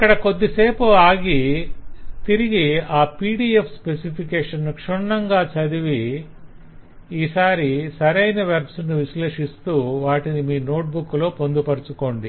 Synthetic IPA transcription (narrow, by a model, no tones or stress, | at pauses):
ɐkːɐɽɐko̞d̪ːiseːpuaːɡi | t̪iɾiɡiaːpiːɽiːepʰspesipʰikeːʂɐnːkʂuɳːɐŋɡaːt͡ʃɐd̪iʋi | iːsaːɾisɐɾɐjnɐʋɐɾpsnuʋiʃle̞ːʂist̪uːʋaːʈinimiːno̞ːʈ̚bukːlo̞ːpo̞nd̪upɐɾut͡ʃuko̞ːɳɖi